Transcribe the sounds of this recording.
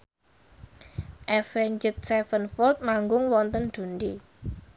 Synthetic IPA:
ʔɛfɛɲd͡ʒət̪̚sɛfənfɔlt̪̚maŋɡʊŋwɔnt̪ənd̪̥ṳnd̪i

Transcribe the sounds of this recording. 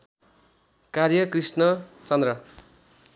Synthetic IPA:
karjʌkrisnʌt͡sʌnd̪rʌ

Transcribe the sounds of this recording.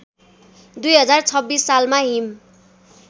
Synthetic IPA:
d̪ujɦʌd͡zart͡sʰʌbːisːalmaɦim

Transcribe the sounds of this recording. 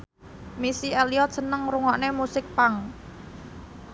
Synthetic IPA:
misieliɔt̪̚sənəŋruŋɔʔnemusɪk̚paŋ

